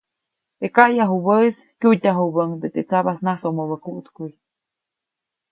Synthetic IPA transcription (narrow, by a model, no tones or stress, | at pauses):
t̪ekajaɦubəis | kʲut̪ʲaɦubəŋd̪et̪et͡saβasnasomoβəkuʔt̪kuj